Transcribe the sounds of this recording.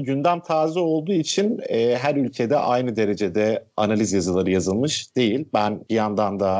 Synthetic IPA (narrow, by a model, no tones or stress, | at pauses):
ɟynd̪ænt̪ʰaːzio̞lˠd̪uːit͡ʃʰinɛːɦæɾylʲcʰe̞d̪ɛʔajnɯd̪e̞ɾe̞d͡ʒe̞d̪ɛanalʲizjazɯlˠaɾɯjazɯlˠmɯʃd̪e̞jilʲbænbijand̪and̪a